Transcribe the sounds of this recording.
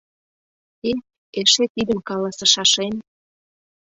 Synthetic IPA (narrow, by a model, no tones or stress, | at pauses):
e | eʃet̪id̪ə̆mkɑlɑsɤ̆ʃɑʃen